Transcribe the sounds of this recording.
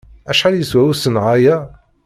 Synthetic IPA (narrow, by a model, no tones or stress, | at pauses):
æʃħaljəswæwəsənʕaja